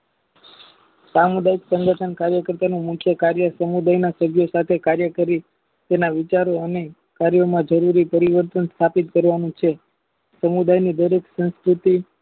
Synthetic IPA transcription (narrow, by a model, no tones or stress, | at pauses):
samud̪aiksəŋɡəʈʰənkaɾjəkəɾt̪anũmũkʰjəkaɾjəsəmud̪ajnasəbʱjosat̪ʰekaɾjəkəɾi | t̪enaʋɪt͡ʃaɾoəne | kaɾjomãd͡ʒəɾuɾipəɾiʋəɾt̪ənst̪ʰapit̪̚kəɾʋanũt͡ʃʰe | səmud̪ajnid̪əɾeksə̃nskɾut̪i